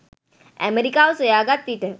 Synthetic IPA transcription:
ɛ̰meɾikaʋsəjaɡat̪ːiʈə

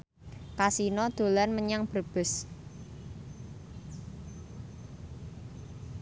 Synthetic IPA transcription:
kasinɔd̪̥o̤lanməɲaŋb̥ərb̥ʊ̤s

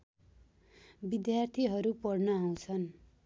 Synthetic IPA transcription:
bid̪jart̪ʰiɦʌɾupʌɽnʌaw̃t͡sʰʌn

